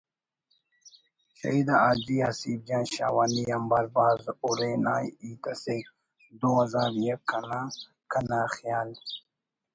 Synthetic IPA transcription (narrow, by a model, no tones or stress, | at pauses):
ɕɐ̰id̪aad̪iasiːb̚d͡ʒaːnɕa̰ːwaːniɐmbaːɾbaːzuɾenaːjit̪ɐsek | d̪oːazaːɾjɐkʰːana | kʰɐnaːxijaːl